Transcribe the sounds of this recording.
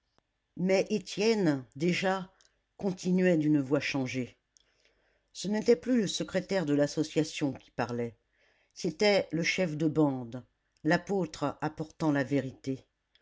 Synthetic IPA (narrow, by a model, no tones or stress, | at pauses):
mɛʔet̪jɛnd̪eʒa | kɔ̃t̪inɥɛd̪ynvwaʃɑ̃ʒe | sənɛt̪ɛplyləsəkχet̪ɛʁd̪əlasɔsjasjɔ̃kʲi̥paʁlɛ | set̪ɛləʃɛfd̪əbɑ̃d̪ | lapot̪χapɔʁt̪ɑ̃laveʁit̪e